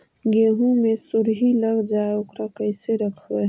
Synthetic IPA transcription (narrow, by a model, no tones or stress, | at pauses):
ɡeːɦũmẽsʊɾɦiləɡd͡ʒaːeʊkɾakəɪseɾəkʰwe